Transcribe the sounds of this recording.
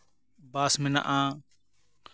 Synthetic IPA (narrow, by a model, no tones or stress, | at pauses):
baːsmɪna̰ʔãː